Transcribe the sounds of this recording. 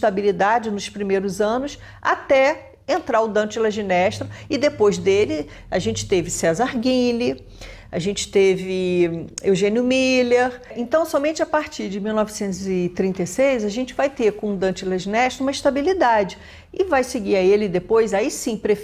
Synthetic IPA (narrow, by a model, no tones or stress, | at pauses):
ʃt̪abilid̪ad͡ʒɪnʊspɾimejɾʊzɐ̃nʊs | a̰t̪ɛ | ẽnt̪ɾaɾʊd̪ɐ̃t͡ʃɪlɐʒinɛʃt̪ɾʊɪd̪epojzd̪elɪ | aʒẽnt͡ʃɪ̥t̪evɪsɛzaɾɡĩlɪ | aʒẽnt͡ʃɪ̥t̪evɪewʒẽnjʊmileɾẽt̪ɐ̃w̃sɔmẽnt͡ʃɪapaɾt͡ʃiɾd͡ʒɪmiwnɔvɪsẽnt̪ʊzɪt̪ɾĩnt̪esejzaʒẽnt͡ʃɪvajt̪eɾkõd̪ɐ̃t͡ʃɪlaʒinɛʃt̪ɾũmɐiʃt̪abilid̪ad͡ʒɪ | ɪvajsɪɡiɾɐelɪd̪epojzaisĩpɾe